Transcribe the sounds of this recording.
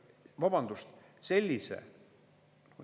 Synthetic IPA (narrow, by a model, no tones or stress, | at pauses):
vɑb̥ɑnd̪ust̪se̞lʲːisḛ